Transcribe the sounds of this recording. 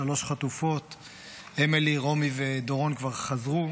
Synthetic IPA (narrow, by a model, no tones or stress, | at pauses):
alo̞ʃχat̪ufo̞t̪ | emeliʁo̞mived̪o̞ʁo̞nkvaʁχazʁu